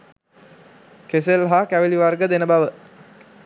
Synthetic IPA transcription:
keselɦaːkæʋeliʋarɡəd̪enəbaʋə

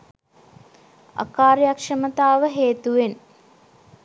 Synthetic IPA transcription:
a̰kaːɾjakʂɐmət̪aːʋəɦeːt̪uʋen

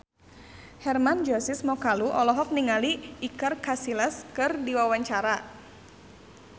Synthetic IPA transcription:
hɛrmand͡ʒɔsɪsmɔkaluʔɔlɔɦɔk̚niŋaliːkərkasilɛskɨrdiwawaɲt͡ʃaɾa

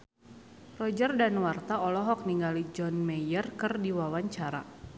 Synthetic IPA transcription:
rɔd͡ʒərdanwart̪aɔlɔɦɔk̚niŋɡalid͡ʒɔnmɛjərkɨrdiwawaɲt͡ʃaɾa̰

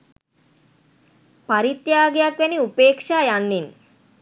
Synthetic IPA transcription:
paɾit̪jaːɡejakʋɛniupeːkʂaːjanːin

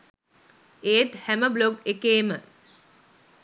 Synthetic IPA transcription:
eːʈhæməbloɡekeːmə

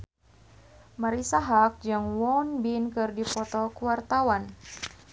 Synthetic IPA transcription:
maɾisaɦak̚d͡ʒaŋwɔnbinkɨrdipɔt̪ɔkuwart̪awan

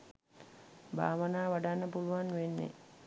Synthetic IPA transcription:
bʱa̰ːʋənaːʋaɖanːəpuluʋanʋenːḛ

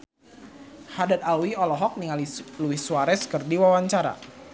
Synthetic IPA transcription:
hadat̪̚alwiɔlɔɦɔk̚niŋaliluihsuaɾɛskərdiwawaɲt͡ʃaɾa̰

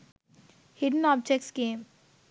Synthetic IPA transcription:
hɪɖənɔːb̚d͡ʒeksɡeːm

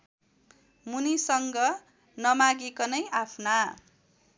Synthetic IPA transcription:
munisʌŋɡʌ | nʌmaɡekʌnʌjapʰna

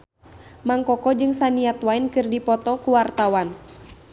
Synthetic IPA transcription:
maŋkɔkɔd͡ʒɨŋsaniat̪wainkɨrdipɔt̪ɔkuwart̪awan

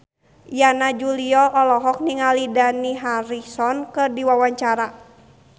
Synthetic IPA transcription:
janad͡ʒuliɔʔɔlɔɦɔk̚niŋalidaniɦaɾisɔnkɨrdiwawaɲt͡ʃaɾa

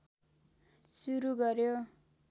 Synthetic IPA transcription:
suɾuɡʌɾjo

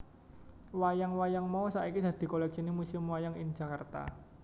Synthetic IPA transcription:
wajaŋwajaŋmaɔsa̰ʔikid̪̥a̤d̪̥i̤kolɛk̚sinimusimwajaŋɪn̥d͡ʒ̥a̤kart̪a̰

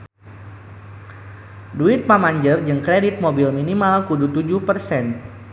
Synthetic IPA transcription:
duɪt̪̚mamaɲd͡ʒərd͡ʒɨŋkɾedit̪̚mobilminimalkudut̪ud͡ʒʊhpərsɛn

